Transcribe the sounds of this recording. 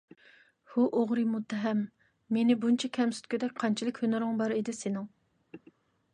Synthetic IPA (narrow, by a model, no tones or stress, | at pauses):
huʔoʁɾɨmut̪ʰːɛɦɛmː | enɪbunt͡ʃʰɛkʲʰɛmsy̥t̪kʲyd̪ɛk̚ʲqʰɑnt͡ʃʰilˠɪkʲhønʊɾʊŋbɑɾed̪ɪsenɪŋ